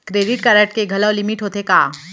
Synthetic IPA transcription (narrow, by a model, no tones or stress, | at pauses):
kɾeːɖɪʈkɐɾəʈkeɡʱɐlalɪmiʈɦoːt̪ekaː